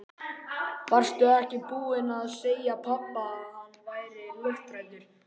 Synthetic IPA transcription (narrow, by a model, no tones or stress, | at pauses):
var̥st̪ʏɛhcɪpuːɪnaðseːjapʰapːaːðhanːvaːjɾɪlʏft̪ɾajt̪ʏɾ̥